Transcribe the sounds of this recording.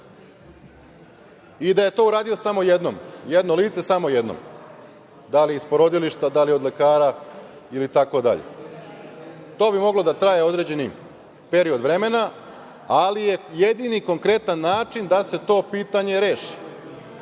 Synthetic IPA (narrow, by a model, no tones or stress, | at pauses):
id̪aje̞t̪o̞uɾaːd̪io̞samo̞jed̪no̰mjed̪no̞liːt̪se̞samo̞je̞d̪no̰m | d̪aliispo̞ɾo̞d̪iliʃt̪ad̪alio̞d̪le̞kaːɾa | ilit̪ako̞d̪a̰ʎḛ | t̪o̞ːbimo̞ɡlo̞d̪at̪ɾajeo̞d̪ɾe̞d͡ʑe̞ni | pe̞ɾio̞d̪ʋɾe̞me̞na | alije̞jed̪iniko̞ŋkɾe̞t̪anːaːt͡ʃind̪ase̞t̪o̞ːpiːt̪aɲe̞ɾe̞ːʃi̥